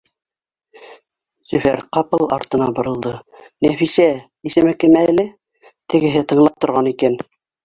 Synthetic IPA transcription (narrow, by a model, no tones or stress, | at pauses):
sɵ̆fæ̰ɾqɑpɤlˠɑ̰ɾt̪ɤ̆nɑbŏɾɤ̆lˠd̪ɤnæfisæ | isɘ̆mɘkɘ̆mæælɘ | t̪ʰɘ̆ɡɘ̆ɦɘt̪ɤ̆ɴlˠɑp̚t̪ŏɾʁɑnikæn